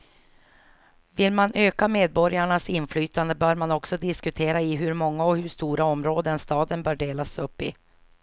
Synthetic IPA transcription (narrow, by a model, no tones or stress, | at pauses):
vɪlmanʔøːkameːd̪̚bɔɾjaɳasɪnflyːt̪and̪əbœːɾmanɔksɔd̪ɪskɵt̪ʰeːɾaɪɦɵɾmɔŋːaɔhɵʂt̪uːɾʔaɔmɾoːd̪ənst̪ɑːd̪ənbœːɖeːlasɵpːɪ̰